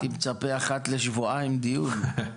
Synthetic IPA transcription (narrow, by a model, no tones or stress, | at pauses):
imt͡sapeaχat̪leʃvuajimd̪iul